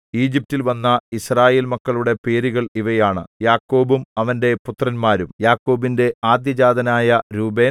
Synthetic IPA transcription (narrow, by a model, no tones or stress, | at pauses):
iːd͡ʑip̚tːilʋɐnːɐisraːje̞ːlmɐkːɐɭuɽe̞pe̞ːɾiɣɐɭiʋɐjaːɳɨ̰jaːkːo̞ːbumɐʋɐnde̞put̪rɐnmaːɾumjaːkːo̞ːbinde̞aːd̪jɐd͡ʑaːd̪ɐnaːjɐɾuːbe̞ː